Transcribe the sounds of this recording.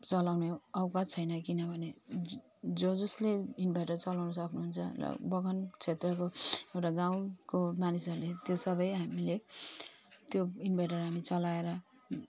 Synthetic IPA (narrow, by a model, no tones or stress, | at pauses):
t͡sʌlawneʌwkat͡sʰʌjnʌkinʌbʱʌne | d͡zod͡zʌsleinbʱajʈʌrt͡sʌlawnʌsʌkʰnuɦunt͡sʰʌ̰bʌɡʱʌnt͡sʰet̪rʌkoewʈaɡãw̃komanisʌɾulet̪josʌbʌjɦamile | t̪joinbʱajʈʌrɦamit͡sʌlaeɾʌ